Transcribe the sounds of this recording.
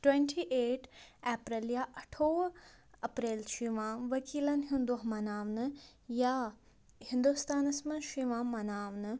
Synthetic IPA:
ʈweɳʈʰiːʔeːʈʰeːpɾɐljaʔɐʈʰoːʋɐpɾeːlʃiʋãːʋɐkiːlɐnɦind̪uɦmɐnaːʋnɨ | jaː | hind̪ust̪aːnɐsmɐnʃiʋãːmmːɐnaːʋnɨ

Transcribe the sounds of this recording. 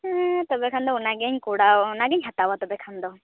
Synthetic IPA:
t̪ɔbɛkʰand̪ɔʊnaɡɛɲkuɽanaɡɛɲɦat̪awat̪ɔbɛkʰand̪ɔ

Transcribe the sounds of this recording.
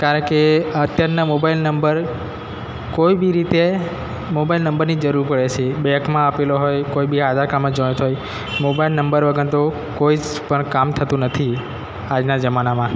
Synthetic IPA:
kaɾəɳkeət̪jaɾnamobailnəmbəɾ | koibiɾit̪e | mobailnəmbəɾnid͡ʒəɾuɾpəɭet͡ʃʰebɛkmãəpeloɦojkoibiɦad͡ʒakamãd͡ʒət̪ɦoj | mobailnəmbəɾʋəɡənt̪o | koid͡ʒ | pəɳkamt̪ʰət̪ũnət̪ʰi | ad͡ʒnad͡ʒəmanamã

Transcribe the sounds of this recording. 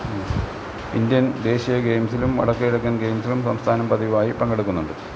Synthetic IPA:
ḭnd̪jɐnd̪e̞ːɕijɐɡejmsilumʋɐ̰ɽɐkːɐiɽɐk̬ːɐːnɡe̞ːjmsilumsɐmst̪ʰaːnɐmpɐðiʋʋaːjipɐŋɡɐɽukːunːuɳɖɨ

